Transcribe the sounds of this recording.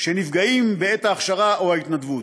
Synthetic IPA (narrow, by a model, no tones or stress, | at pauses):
ʃe̞nifɡaimbeet̪aːχʃaʁaʔoait̪nad̪vut̪